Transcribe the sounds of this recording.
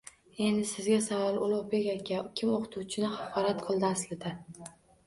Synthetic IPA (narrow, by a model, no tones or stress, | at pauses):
e̞nd̪ɪsɪzɡʲasavɒlˠʊlˠʊʁbe̞kʲakʲʰakʲʰɪmoqʰɨ̥t̪ʰuwt͡ʃʰɪnɪhɑqʰɒɾat̪qʰɨlˠd̪aslɪd̪ɪ